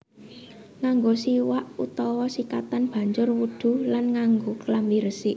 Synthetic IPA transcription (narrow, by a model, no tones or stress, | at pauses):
ŋaŋɡosiwaʔut̪ɔwɔsikat̪anb̥a̤ɲd͡ʒʊrwud̪̥ṳlanŋaŋɡoklambiɾəsɪʔ